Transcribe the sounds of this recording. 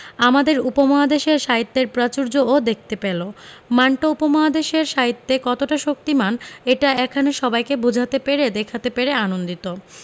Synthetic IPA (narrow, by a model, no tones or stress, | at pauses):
amad̪eɾupomɔɦad̪eʃeɾʃaɦit̪ːeɾpɾat͡ɕuɾd͡ʑood̪ek̚ʰt̪epelomanʈoupomaɦad̪eʃeɾʃaɦit̪ːekɔt̪oʈaʃok̚t̪imaneʈaɛkʰaneʃɔbajkebud͡ʑʱat̪epeɾed̪ekʰat̪epeɾeanond̪it̪o